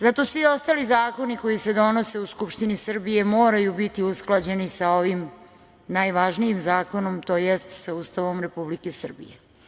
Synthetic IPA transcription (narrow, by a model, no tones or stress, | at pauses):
zat̪o̞sʋio̞st̪aːlizaːko̞niko̞jise̞d̪o̞no̞se̞uskupʃt̪inisr̩bije̞mo̞ːɾajubit̪iusklˠad͡ʑe̞nisao̞ʋim | najʋaʒnijimzaːko̞no̞mt̪o̞ːjest̪sauːst̪aʋo̞mɾe̞publikesr̩bḭje